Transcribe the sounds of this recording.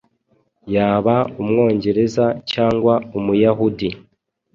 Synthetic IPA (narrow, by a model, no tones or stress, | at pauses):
jaːβaumŋo̞ːɲɟe̞ɾe̞zacaːŋɡwaumujaɦudi